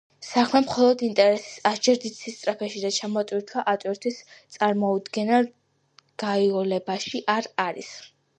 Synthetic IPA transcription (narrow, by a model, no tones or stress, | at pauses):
sakʰmɛmχɔlˠɔd̪int̪ʼɛɾɛsi̥sasd͡ʒɛɾd̪it̪sʰist̪ʼɾapʰɛʃid̪at͡ʃʰamɔt̪ʼwiɾt̪ʰwaʔat̪ʼwiɾt̪ʰist̪sʼaɾmɔud̪ɡɛna | ɡ̥aiɔlɛbaʃiʔaɾaɾḭs